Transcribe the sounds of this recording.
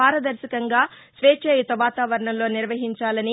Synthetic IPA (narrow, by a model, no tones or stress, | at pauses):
aːɾɐd̪ɐɾsɐkɐŋɡaːsʋeːt͡ʃeːjut̪ɐʋaːt̪aːʋɐɾɐɳɐmlo̞ːniɾʋɐɦiɲt͡ʃaːlɐni